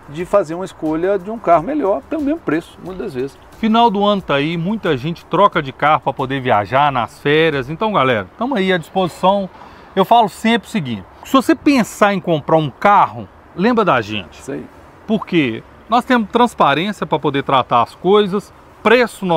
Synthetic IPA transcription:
d͡ʒɪfazeɾũmɐɪskoʎɐd͡ʒɪũkahʊmeʎɔɾpelʊmẽzmʊpɾesʊ̥mũj̃t̪ʊd̪ɐzvezɪs | finawd̪ʊɐ̃nʊt̪aimũj̃t̪ɐʒẽnt͡ʃɪ̥t̪ɾɔkɐd͡ʒɪkahʊpɾɐpod̪eɾvia̰ʒaɾnɐ̰sfɛɾjɐzẽnt̪ɐ̃w̃ɡalɛ̰ɾɐt̪ɐ̃mʊaiɐd͡ʒispozisɐ̃w̃ | ewfalʊsẽmpɾɪʊsiɡĩt͡ʃɪ̥sɪvosepẽsaɾẽj̃kõmpɾaɾũkahʊ | lẽmbɾɐd̪aʒḛ̃t͡ʃɪ̥ | poɾke | nɔst̪ẽmʊst̪ɾɐ̃spaɾẽsijɐpɾɐpod̪et̪ɾat̪aɾɐskojzɐs | pɾesʊn

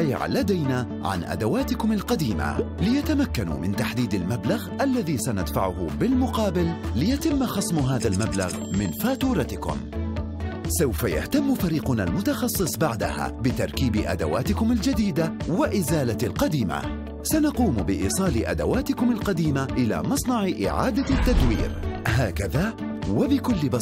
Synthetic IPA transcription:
aja̰ʕa̰lːad̪ajnaː | ʕa̰nʔa̰d̪awaːt̪ɪkʊmalqɑd̪iːma̰lɪjat̪amakːanṵmɪnt̪aħd̪iːd̪almablaɣʔalːaðiːsanad̪fa̰ʕʊhʊbɪlmʊqɑːbɪlːɪjat̪ɪmːxɑsˤmɦaːðalmabla̰ɣ | mɪnfaːt̪uːɾˤɑt̪ɪkʊ̰m | sawfaja̰ht̪amːfaɾiːqʊna̰lmʊt̪ɑxɑsˤːɨsˤbaʕd̪a̰ha̰ːbɪt̪ɑɾˤkiːbɪʔa̰d̪a̰waːt̪ɪkʊmald͡ʒad̪iːd̪awaʔɪzaːlalqɑd̪iːma̰ | sanɑquːmbɪʔḭːsˤɑːlɪʔa̰d̪a̰waːt̪ɪkʊmalqɑd̪iːmaʔɪla̰ːmɑsˤnɑʕɪʔɪ̰ʕa̰ːd̪at̪ːad̪wḭːɾɦaːkaðaː | wabɪkʊlːɪbɑ

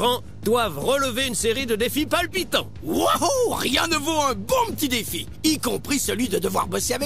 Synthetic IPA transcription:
ʁɑ̃ | d̪̥wavʁələveynseʁid̪əd̪efipalpit̪ɑ̰̃ | waɦoʁjɛ̃nəvoɛ̃bɔ̃pət̪id̪efḭ | ikɔ̃pχisəlɥid̪əd̪əvwa̰ʁbɔseavɛ

